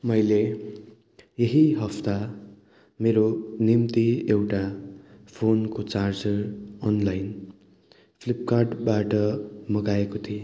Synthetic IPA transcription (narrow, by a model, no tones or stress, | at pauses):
mʌjle | jeɦiɦʌpt̪a | meɾonimt̪iewʈapʰonkot͡sard͡zʌrʌnlajn | pʰlip̚karɖbaʈʌmʌɡaekot̪ʰie